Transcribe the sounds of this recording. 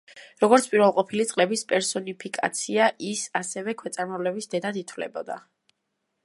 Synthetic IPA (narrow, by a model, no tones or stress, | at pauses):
ɾɔɡɔɾt̪sʰpʼiɾvɛlˠqʼɔpʰilit̪sʼlɛbispʼɛɾsɔnipʰikʼa̰t̪sʰiaʔisasɛvɛkʰwɛt̪sʼaɾmavlɛbisd̪ɛd̪ad̪it̪ʰvlɛ̰bɔd̪a̰